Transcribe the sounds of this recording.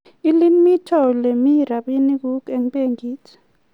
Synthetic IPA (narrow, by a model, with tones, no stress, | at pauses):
i˦li˦mi˦tʰɔ˦˨le˨mi˦ɾa˨ɓi˦ni˦k̬u˦ke˨ŋɓe˦ŋɡiː˦tʰɛ̥